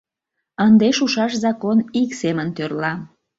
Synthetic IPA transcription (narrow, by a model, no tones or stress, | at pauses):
ənd̪eʃuʃɑʃzɑkoniksemənt̪ørlɑ